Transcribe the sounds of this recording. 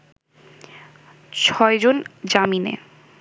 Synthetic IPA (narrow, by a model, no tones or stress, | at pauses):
t͡ɕʰɔed͡ʑond͡ʑaminḛ